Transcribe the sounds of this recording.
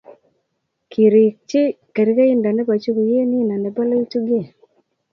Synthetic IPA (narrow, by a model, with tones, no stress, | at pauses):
kʰi˨ɾi˨k̚t͡ʃɪ˦ke˨ɾi˦ka˦i˦nda˨nɛ˦ba˨t͡ʃu˦ku˨je˦nɪ˦na˨nɛ˨ba˦lɔ˦i˦t͡ʃu˦ɡɪ˦˨